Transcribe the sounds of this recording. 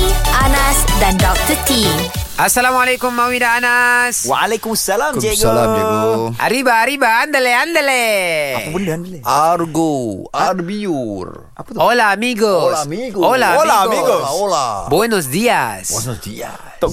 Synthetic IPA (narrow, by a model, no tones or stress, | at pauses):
ianasdandɔk̚t̪ət̪iʔasalamalekumːawidaanaswaalekumasalamd͡ʒeɡla | ʔa̰ɾibaːɾibaːnd̪əleand̪əleaapundand̪learɡoarbiur | apolaamiɡosiɡolaolaiɡoolabɔnɔs̬diasɔnɔsdia̰s